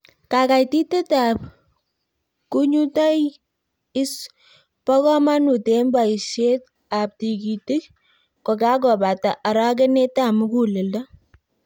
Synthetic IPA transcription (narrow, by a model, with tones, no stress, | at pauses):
ka˨ka˨jti˦te˦ta˨p̚ | kuɲu˦ta˦j | ɪ˦s | pɔ˦kɔ˦ma˦nu˨te˨mba˨i˨ʃe˦t̚ | a˨p̚ti˨ki˨ti˦k̚ | kɔ˨ka˦k̬ɔ˨ba˨ta˨ʔa˨ɾɑ˦k̬e˦ne˦ta˦˨mu˦ku˨lɪ˨lda˦